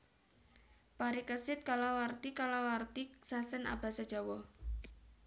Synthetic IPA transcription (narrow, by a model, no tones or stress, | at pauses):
paɾikəsɪt̪̚kalawart̪ikalawart̪isasɛna̰b̥a̤sad̥ʒ̥awɔ